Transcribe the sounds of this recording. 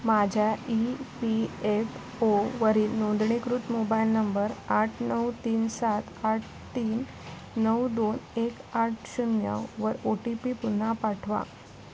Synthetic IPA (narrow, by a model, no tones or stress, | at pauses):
mad͡ʑʱjaipief | oʋəɾiːnõnd̪ɳikɾut̪mobailnəmbəɾaʈʰnəwt̪iːnsat̪ʰaʈ̚ʰ | t̪iːnː | əwd̪onekaʈ̚ʰɕunjə̰ʋəɾoʈipipun̤ːapaʈʰʋa̰